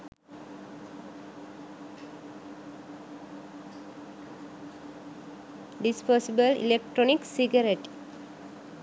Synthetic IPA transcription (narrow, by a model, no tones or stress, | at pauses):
ɖispɔsibəlḭlek̚ʈɾoniksiɡəɾeʈ